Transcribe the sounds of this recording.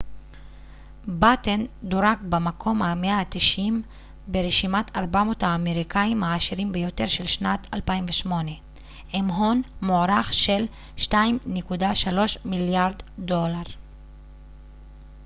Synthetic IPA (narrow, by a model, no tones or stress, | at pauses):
batend̪oʁak̚bemakʰo̞mameat̪iʃim | beʁeʃimat̪aʁbamo̞thaːme̞ʁikaimaːʃiʁimbejo̞t̪e̞ʁʃelʃnat̪ʰalpaimveʃmo̞ne̞ | ʔemɦo̞nmoɾaχʃe̞l | ʃtaimnekudaʃalo̞ʃmiljaʁdːo̞laʁ